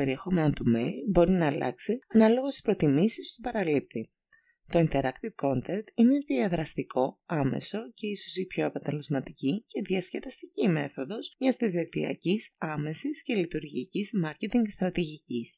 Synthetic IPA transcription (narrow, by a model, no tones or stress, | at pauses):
e̞ɾiexo̞me̞not̪umelbo̞ɾinɐːlɐ̰ksiɐnɐlo̞ɣo̞st̪i̥spɾo̞t̪imisist̪upɐɾɐlip̚ti | t̪o̞int̪e̞ɾɐkt̪ivko̞nt̪eɾt̪ine̞ðiɐðɾɐst̪iko̞ɐme̞̰so̞ce̞iso̞sipço̞ɐpɐt̪e̞le̞zmɐt̪icice̞ðiɐsce̞t̪ɐst̪icime̞θo̞ðo̞zɲɐst̪iðet̪iɐ̰cisɐme̞sisce̞lit̪uɾʝicizmɐɾce̞t̪iŋɡst̪ɾɐt̪iʝicis